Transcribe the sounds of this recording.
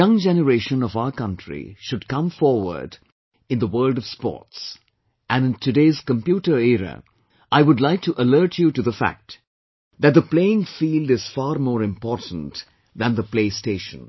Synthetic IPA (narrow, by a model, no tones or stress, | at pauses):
ʌ̃ŋd͡ʒɛnəɹeɪʃə̃nʌvaʊə˞kʌ̃ntɹ̥ḭʃʊd̚kʌ̃mfɔɹwə̰˞d | ɨ̃nðəwɜ˞ldʌv̥spɔ̰ɹts | ʔæ̃nɨ̃ntʰɨdeɪz̥kə̃mpjuɾə˞ɛɹə̰ | ʔaɪwʊdˡlaɪk̚tʰuʔəlɜ˞t͡ʃutɨðəfæ̰k̚t | ðɨt̚d̪əpleɪɪ̃ŋfiːldɪz̥fɑːɾmɔːɹɨ̃mpɔɹtn̩t | ðɨ̃nðəpleɪsteɪʃə̰̃n